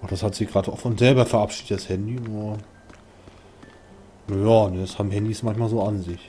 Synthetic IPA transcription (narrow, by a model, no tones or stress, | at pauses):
ʔʊd̥ashatz̥ɪçɡ̥ʁaːdəaʊfʊnz̥ɛlbɐfɛɐʔapʃiːdətshɛndinuɐ | najaːnəashaːbmɦɛndismançmaːlzoːanzɪç